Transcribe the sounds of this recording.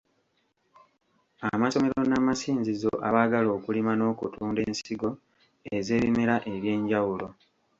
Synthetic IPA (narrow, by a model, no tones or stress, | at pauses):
amaso̞me̞ɾo̞namasiːnzizo̞̰ʔa̰βaːɡalo̞ːkulimano̞ːkṵtuːnde̞ːnsiɡo̞ | eze̞ːβimeɾaʔe̞ɾje̞ːɲɟawulo̞